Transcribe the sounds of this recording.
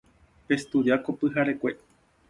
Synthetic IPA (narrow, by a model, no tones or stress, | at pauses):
pest̪uɾakopɨɦaɾekʷe